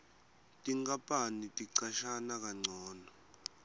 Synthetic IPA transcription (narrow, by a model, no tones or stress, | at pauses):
tʼiŋkʼapʼanitʼiǀaʃanak̬ʼaŋ͡ǀʱɔːnɔ